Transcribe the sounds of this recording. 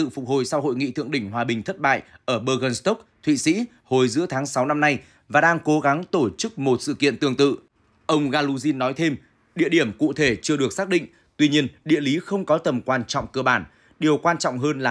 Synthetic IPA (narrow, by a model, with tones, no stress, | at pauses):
ɨ̰˧˨fʊ˨˩k̚ho˨jsa˧wɦo̰˧˨jŋḭ˧˨t̪ʰɨ̰˧˨əŋɗï˧˩ŋ̟ɦwaː˨˩ɓï˨˩ŋ̟t̪ʰə˦˥t̚ɓa̰ː˧˨jʔəː˧˩ɓəː˧ɣə˧nst̪o˦˥k̚t̪ʰwḭ˧˨sḭ˧˥ | ho˨˩jzɨ̰˧˥ət̪ʰaː˨˦ŋsa˨˦wna˧mna˧j | vaː˨˩ɗaː˧ŋko˨˦ɣa˨˦ŋt̪o˧˩t͡ɕɨ˦˥k̚mo˨˩t̚sɨ̰˧˨kḭ˧˨ənt̪ɨ˧˩əŋt̪ɨ̰˧˨ | ʔə˧wŋ͡mɣaː˧lu˧zi˧nːɔ˨˦jt̪ʰe˧m | ɗḭ˧˨əɗi˧˩əmkṵ˧˨t̪ʰe˧˩t͡ɕɨ˧əɗɨ˨˩ək̚saː˦˥k̚ɗḭ̈˧˨ŋ̟ | t̪wi˧ɲi˧ənɗḭ˧˨əli˨˦xə˧wŋ͡mkɔ˨˦t̪ə˨˩mkwaː˧nt͡ɕɔ̰˧˨wŋ͡mkəː˧˩ɓaː˧˩n | ɗi˨˩əwkwaː˧nt͡ɕɔ̰˧˨wŋ͡mɦəː˧nlaː˨˩